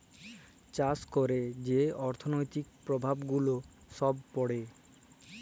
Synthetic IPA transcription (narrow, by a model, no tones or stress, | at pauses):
t͡ɕaskoɾed͡ʑeɔɾt̪ʰonojt̪ikpɾobʱabɡulo | ʃɔbpɔɽe